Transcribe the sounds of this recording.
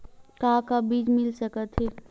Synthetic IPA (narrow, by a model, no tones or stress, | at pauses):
kaːkabiːd͡ʒmɪlsəkət̪ɦɛː